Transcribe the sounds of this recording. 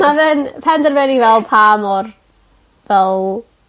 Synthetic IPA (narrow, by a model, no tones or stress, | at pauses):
mavɨnpʰɛndɛrvɛnivɛlˠpʰamɔr | vɛl